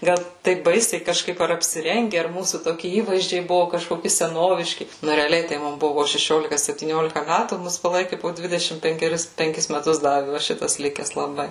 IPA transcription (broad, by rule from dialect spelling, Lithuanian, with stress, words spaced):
ˈɡɐlˠ ˈtɐɪp ˈbɐɪsʲɛɪ kɐʃˈkɐɪp ɐr ɐpʲsʲɪˈrʲɛŋʲɡʲɛ ɐr ˈmuːsuː toːˈkʲɪ ˈiːʋɐɪzʲd͡ʒʲɛɪ ˈbʊʋʊ kɐʃkoːˈkʲɪ sʲɛˈnoːʋʲɪʃʲkʲɪ ˈnʊ rʲɛɐˈlʲɛɪ tɐɪ ˈmʊm ˈbʊʋʊ poː ʃʲɛˈʃʲoːlʲɪkɐ sʲɛpʲtʲiːˈnʲoːlʲɪkɐ ˈmʲætuː ˈmʊs pɐˈlˠɐɪkʲɪ poː ˈdʲʋʲɪdʲɛʃʲɪm pʲɛŋʲkʲɛˈrʲɪs pʲɛŋʲˈkʲɪs mʲɛˈtʊs ˈdɑːʋʲɪ ʋɐ ˈʃʲɪtɐs ˈlʲɪkʲɛs lˠɐˈbɐɪ